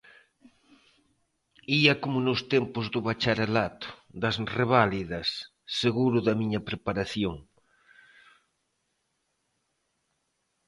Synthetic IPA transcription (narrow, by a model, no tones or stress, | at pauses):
iɐkomʊnʊst̪empʊzðʊβat͡ʃaɾalat̪ʊ̥d̪ɐsreβaliðɐsː | eɣuɾʊðɐmiɲɐpɾepaɾaθjoŋ